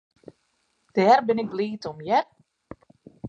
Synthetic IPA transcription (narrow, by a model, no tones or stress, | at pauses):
d̥ɛːrbɪnɪk̚bliːtɔmjɛr